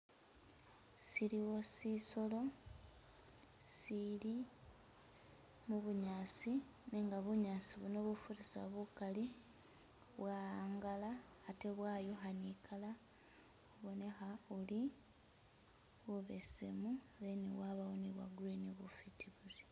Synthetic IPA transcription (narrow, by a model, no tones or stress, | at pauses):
siɾiwo̞siso̞lo̞ | sili | muβuɲaːsi | neŋɡaβuɲaːsiβunoβufuɾisa̰βukali | βwaaːŋɡalaː | te̞βwaːjoxanikʰala | uβo̞ne̞xauli | βuβesemu | leniwaβawoniβwa̰ɡɾiniβufitiβuɾi